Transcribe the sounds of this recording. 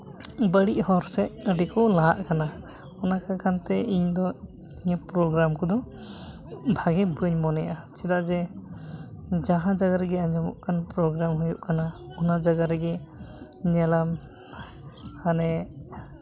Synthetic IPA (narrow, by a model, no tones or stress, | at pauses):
bəɽiʔhɔɾsɛʔəɖɛkɔlaɦa̰ʔkana | ɔnakakʰant̪ɛiɲd̪ɔ | iɲɛpɾɔɡɾamkɔd̪ɔ | bʱaɡɛbəɲmɔnɛjʔat͡ʃɛd̪aʔd͡ʒɛ | d͡ʒaɦãd͡ʒaɡaɾɡɛaɲd͡ʒɔmɔ̰ʔkʰanpɾɔɡɾamɦujuʔkanaɔnad͡ʒaɡaɾɛɡɛ | ɲɛlam | hanɛ